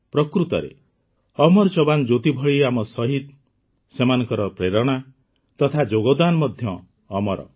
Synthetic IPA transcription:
pɾɔkɾut̪ɔɾḛ | ɔmɔɾt͡ʃɔband͡ʒot̪ibʱɔɭiamɔsɔɦit̪̚ | semanɔ̃ŋkɔɾɔpɾeɾɔɽ̃a | t̪ɔt̪ʰad͡ʒoɡɔwd̪anɔmɔd̪ʱjɔː | mɔɾɔ̰

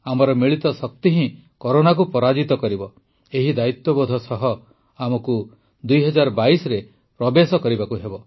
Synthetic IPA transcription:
amɔɾɔmiɭit̪ɔsɔk̚t̪iɦĩ | koɾonak̬upɔɾad͡ʒit̪ɔkɔɾibɔ | eɦid̪ait̪wɔbɔd̪ʱɔsɔɦɔ | amɔku | d̪ujɦɔd͡ʒaɾɔbaisɔɾe | pɾɔbesɔkɔɾibakuɦebɔ

